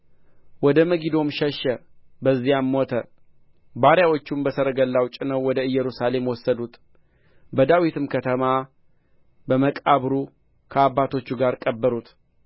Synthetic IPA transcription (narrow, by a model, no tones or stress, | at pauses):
wɔd̪əməɡid̪o̞mʃəʃːəbəzːijamːot̪ʰə | baɾjawot͡ʃːumbəsəɾəɡəlːawt͡ʃʼɪnəwːɔd̪əɨjːɛɾusale̞mwɔsːəd̪ut̪ | bəd̪awit̪ʰɨmkʰət̪ʰəma | bəməkʼaβɾu | kʰəabːat̪ʰo̞t͡ʃːuɡaɾkʼəbːəɾut̪